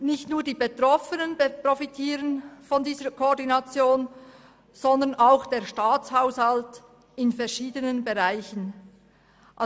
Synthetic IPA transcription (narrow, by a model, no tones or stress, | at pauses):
nɪçtnuːɐdiːbetʁɔfənənbprofitʰiːʁənfɔndiːzəkʰoːɾdinɑt͡sjoːn | z̥ɔndənʔaʊxd̥eːʃtaːt͡shaʊshɑlt | ɪnfɛɐʃiːdənənbeʁaɪçən | ʔ